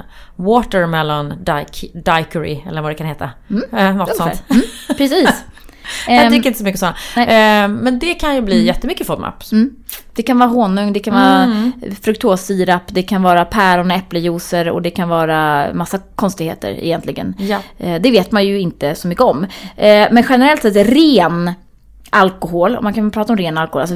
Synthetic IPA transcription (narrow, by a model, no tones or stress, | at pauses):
woːt̪əɾmɛlːandd̪ajkəɾɪ̰ɛlːəɾvadɛkʰanheːt̪anɔt̪sɔm̩ːpʰɾɛsiːs | aɪːɾɪnt̪əsɔmʏkːəsɔnːaɛmɛnd̪ɛkʰanjɵbliːjɛt̪ːəmʏkːəfɔd̪ma̰pːm̩ː | d̪̥ɛkanvɑːɾaɦoːnɵŋd̪ɛkʰanvɑːɾafɾɵkt̪ʰoːsiːɾapːd̪ɛkʰanvɑːɾapʰæɾɔnɛpləjuːsəɾɔ̰d̪ɛkʰanvɑːɾamasːakʰɔnst̪ɪɡhḛːt̪ʰə̰ɾɪ̰jɛnt̪lɪɡə̰nd̪ɛveːt̪manjɵɪnt̪əsɔmʏkːəɔmː | mɛnɧɛnəɾɛlt̪sɛt̪ɾeːn | ʔalkʊɦoːlɔ̰mːankʰapʰɾɑːt̪aɔmɾeːnalkɔhoːla̰sɔ